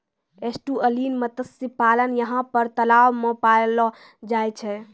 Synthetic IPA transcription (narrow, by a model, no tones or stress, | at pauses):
esʈuəlinmət̪əsipalənjəɦãpəɾt̪əlawmepaelɔ | d͡ʒajt͡ʃʰɛ